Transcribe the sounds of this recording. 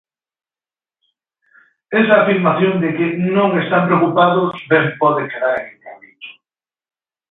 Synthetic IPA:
esɐːfiɾmaθjond̪ɪkɪnõŋest̪ampɾeokupaðʊsβempɔðekeðaɾeŋomit̪o̥

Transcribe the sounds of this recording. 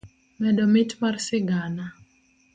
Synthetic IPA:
mɛdɔmɪtmarsɪɡana

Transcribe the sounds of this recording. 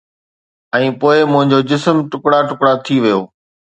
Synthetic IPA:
ɛ̃ːpoːɪmʊ̃ɦɪ̃ɲd͡ʑoːd͡ʑɪsəmʈʊkɽaʈʊkɽat̪ʰiʋijoː

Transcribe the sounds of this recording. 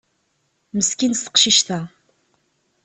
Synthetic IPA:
məskinst̪ə̥qʃiʃt̪æ

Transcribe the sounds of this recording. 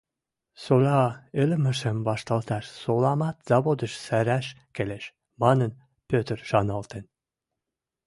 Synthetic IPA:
solɑelɘmɘ̆ʃɘ̆mbɑʃt̪ɑlˠt̪ɑʃsolˠɑmɑt̪z̥ɑβod̪ə̆ʃsæɾæʃ | kelʲeʃ | mɑnɤn | pʲøt̪ɾʃɑnɑlˠt̪ĕn

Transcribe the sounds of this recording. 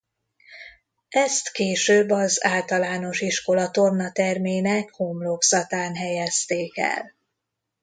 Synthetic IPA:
ɛst̪keːʃøːbːɒzaːlt̪ɒlaːno̞ʃiʃko̞lɒt̪ornɒt̪ɛrmeːnɛkhomloɡzɒt̪aːnɦɛjɛst̪eːkɛ̰l

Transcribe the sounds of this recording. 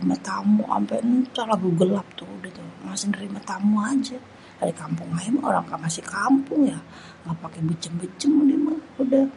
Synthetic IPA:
imat̪amuʔa̰mpɛnt͡ʃaɾlabuɡəlap̚t̪uudat̪umasɪŋnəɾimat̪amuad͡ʒa | aɾikampʊŋaɛmo̰ɾaŋkamasɪkampʊŋja | ŋapakɛbət͡ʃəmbət͡ʃəmudimaudah

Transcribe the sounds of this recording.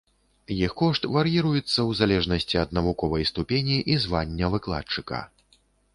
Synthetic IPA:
jixkɔʂt̪vɐɾjiɾujɛt̪sːɐwzalʲɛʐnɐsʲt͡sʲiɐd̪̚nɐvukɔvɐjst̪upʲenʲiʔizvanʲːɐvɨklˠa̰t͡ʂɨkɐ̰

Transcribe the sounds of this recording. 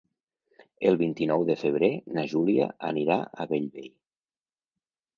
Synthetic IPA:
əlˠβint̪inɔwðəfəβ̞ɾenaʒulia̰ə̰niɾaʔəβeʎβej

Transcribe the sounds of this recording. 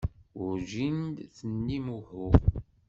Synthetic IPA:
ʊɾʒind̪θənːimuħʊ

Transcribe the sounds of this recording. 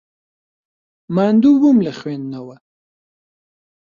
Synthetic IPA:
mand̪uwumlaxwend̪nawa

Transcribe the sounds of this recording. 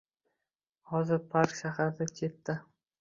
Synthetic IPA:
hɒzɪɾpʰaɾkʃaɦaɾd̪akʲʰe̞t̪ːɪ

